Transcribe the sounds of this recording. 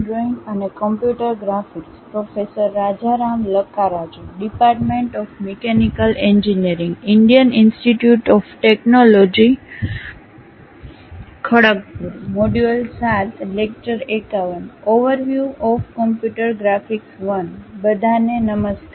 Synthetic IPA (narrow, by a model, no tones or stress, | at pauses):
ɖɾoinənekəmpjuʈəɾɡɾafikspɾofesəɾːad͡ʒaɾamləkːaɾad͡ʒoɖipaɾʈmẽɳʈɔfmekenikəlẽɲd͡ʒiniəɾĩŋɡɪɳɖijəninsʈiʈjuʈɔfʈeknolod͡ʒi | kʰəɽək̚puɾimoɖuəlsat̪ʰlek̚t͡ʃəɾekaʋənoʋəɾʋjuɔfkɔmpjuʈəɾɡɾafiksʋənbəd̪ʱanenəməst̪